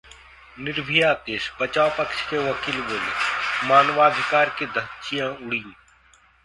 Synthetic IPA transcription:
nɪɾbʱijaːt̪eːʃbət͡ʃaːwpəkʃkeʋɐkiːlʋoːlmaːnʋaːd̪ʱɪkaːɾked̪ʱət͡ʃijãːʊɽĩ

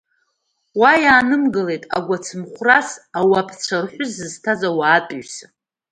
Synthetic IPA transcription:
wajaːnɨmɡɨle̞jtʼa̰ɡʷat͡sʰɨmχʷrasawapʰt͡ʃʷʰarħʷᶣʊzːɨztʰazawaːtʼɥsa

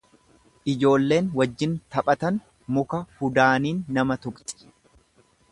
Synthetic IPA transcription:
ʔɪd͡ʒo̞ːlːe̞ːnwɐd͡ʒːɪnt̪ɐpʼɐt̪ɐn | mʊkɐhʊd̪aːniːnːɐmɐt̪ʊkt̪ʼɪ̥

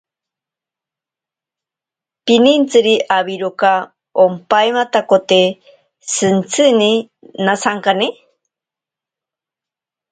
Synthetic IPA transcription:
pinint͡sɨɾiʔaβiɾoka | ompajmat̪akot̪e | sɨnt͡sʰɨni | nasaŋkani

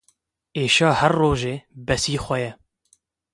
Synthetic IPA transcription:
eːʃɑːhɛrːoːʒeːbɛsiːxʷɛjɛ

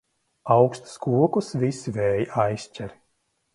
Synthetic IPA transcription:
awkst̪u̥skuɔkusvisvɛːjajsʲt͡ʃʲɛɾ

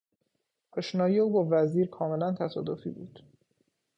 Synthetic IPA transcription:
pʰɔʃnɒːjeuːbɒːvæziːɾkʰɒːme̞lænt̪ʰæsɒ̰ːd̪ofḭːbṵːd̪̥

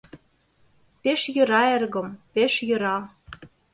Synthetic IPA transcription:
peʃjɤ̆ɾɑerɣɤ̆mpeʃjɤ̆ɾɑ

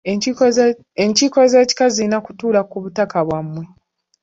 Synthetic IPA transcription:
eɲciːkozeːci̥kazinakutuːlakuβutakaβwamːwe

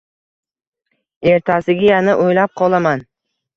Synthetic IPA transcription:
e̞ɾt̪ʰasɪɡʲajanɪʔojlap̚qʰɒlˠaman

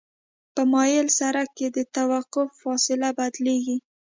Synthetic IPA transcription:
pəmɑjɪlsaɾaked̪ət̪awaqʊfːɑsɪlabad̪leɡi

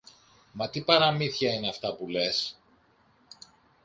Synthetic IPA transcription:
mɐt̪ipɐɾɐmiθçɐineɐft̪ɐpule̞s

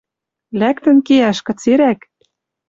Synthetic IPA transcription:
lækt̪ə̆nkeæʃkɤ̆t͡seɾæk

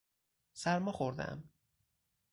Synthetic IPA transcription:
sæɾmɒxoɾd̪æ̰m

